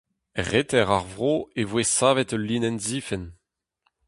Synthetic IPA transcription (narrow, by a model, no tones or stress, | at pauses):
ʁet̪ɛʁaʁvʁoːevwesaːvɛtəliːnɛnziːfɛn